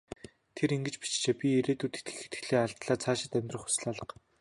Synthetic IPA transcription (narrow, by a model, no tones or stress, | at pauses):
t̪ʰeɾiŋɡɘ̆t͡ɕpi̥t͡ɕt͡ɕeːpʲieɾeːt̪uːt̪ʰet̪ɡɘ̥̆xĕ̥t̪ɡɘ̥̆ɮeːaɮt̪ɮaːt͡sʰaːʃɪ̆t̪æmʲt̪rə̆χxʊ̥s̆ɮaɮə̆q